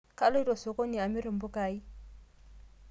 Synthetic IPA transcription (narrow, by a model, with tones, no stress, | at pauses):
kʼa˦lo˦i˦rɔ˨sɔ˨kʼo˦ni˨a˨mɪ˦ɾɪ˨m̩˦bʊ˦kaːi˦